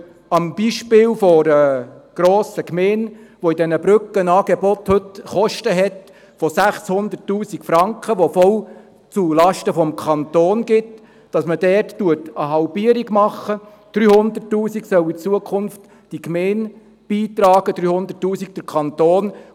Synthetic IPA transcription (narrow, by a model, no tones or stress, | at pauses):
ɑmb̥iʃpɪːlfɔɾɛɡ̥ɾoːsəkmeːnʋɔidɛnəbɾʏkənɑːɡ̥ebɔthɵtχɔʃtəɦɛt | fɔsæχshʊnd̪ərtːuːsikfɾɑŋkχəʋɔfɔl | t͡sulɑʃtəfɔmkʰɑnt̪oːnɡɪt | d̥ɑsməd̥ɛːrttuətəɦɑlpiəɾiɡmɑχːə | d̥ɾyːhʊnd̪ətːuːsiksœwit͡suəkʰχʊnft | d̥ikmeɪn | b̥iːt̪ɾɑːɡ̥əd̥ɾyːhʊnd̪ətːuːsik̚d̥əɾkʰɑnt̪oːn